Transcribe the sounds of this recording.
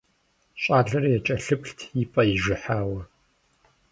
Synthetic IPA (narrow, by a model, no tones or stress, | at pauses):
ɕʼaːɮɐrɐjɛt͡ʃʼɐɬɨpɬtʰjipʼɐjɪʒʷɪħaːwɐ